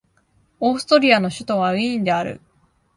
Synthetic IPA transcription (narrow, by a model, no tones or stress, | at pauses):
o̞ːsɨ̥t̪o̞ɾʲiano̞ɕɨt̪o̞β̞aɯ̟̃ĩnd̪e̞aɾɯ̰